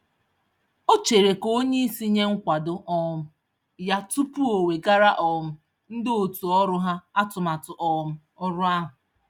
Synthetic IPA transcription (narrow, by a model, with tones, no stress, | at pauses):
o˦t͡ʃe˨ɾe˨ko˦ɲe˦i˦si˦ɲe˦ŋ̩˦kʷa˨dʊ˦ʔɔ˦mʊ˦ | ja˦tu˦pu˦o˨we˨ɡa˦ɾa˦ʔɔ˨m̩˦ | n̩˦dɪ˦o˨tu˨ɔ˦ɾʊ˦ɦa˦a˦tʊ˨ma˨tʊ˨ʔɔ˨m̩˦ | ɔ˦ɾʊ˦a˦ɦʊ˨